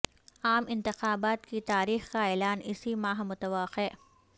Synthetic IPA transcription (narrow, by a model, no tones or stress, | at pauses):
aːmɪ̃nt̪ɪxaːbaːt̪kit̪aːɾiːxkaeːlaːnɪsimaːɦmʊt̪əʋaːqeː